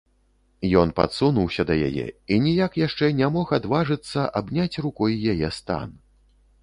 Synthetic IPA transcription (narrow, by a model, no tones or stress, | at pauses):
jɔnpa̰t̪sunuwsʲɐd̪ɐja̰jɛ̰inʲijakjaʂt͡ʂɛnʲamɔxad̪vaʐɨt̪sːɐʔabnʲat͡sʲrukɔjjajɛst̪a̰n